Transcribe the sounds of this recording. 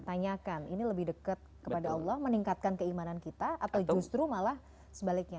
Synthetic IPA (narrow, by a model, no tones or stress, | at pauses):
t̪aɲakaniniləbɪhdəkət̪̚kəpadaɑlˠːɔhməniŋkat̪̚kankəimanankit̪aʔat̪awd͡ʒust̪ɾumalah | səbalɪk̚ɲa